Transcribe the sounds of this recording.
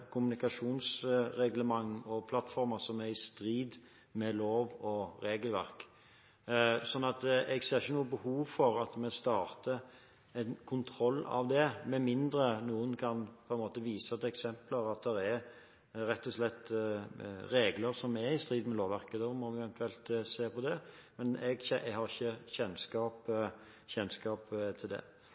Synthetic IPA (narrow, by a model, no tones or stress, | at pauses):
kʰʊmʉnɪkɑʂuːnsɾɛɡləmɑŋːɔpʰlɑt̪ːfɔɾməsɔmæɾɪst̪ɾiːd̪ | mɛloːʋɔɾeːɡəlʋæ̰ɾk | sɔnːɑt̪ɛɡseːɾɪçənuːəbəhuːʋfɔɾɑt̪mɛst̪ɑːɾt̪ə | ɛnkʰʊnt̪ʰɾɔlːɑ̰ʋd̪ɛmɛmɪnd̪ɾənuːənkʰɑnpʰɔɛnmoːt̪əʋiːsəd̪ɛksɛmpləɾɑt̪̚d̪ɛɾɛɾ | ɾɛt̪ːɔslɛt̪ː | ɾeːɡləɾsɔmɛɪst̪ɾiːd̪n̩mɛloːʋæɾkəd̪ɔmɔʋɪɛʋɛnt̪ʰʉɛlt̪seːpʰɔd̪ɛmɛnɛɡçɛʔɛhɑʁɪçːəçɛnskɑːp | çɛnskɑːpt̪ʰɪld̪ɛ̰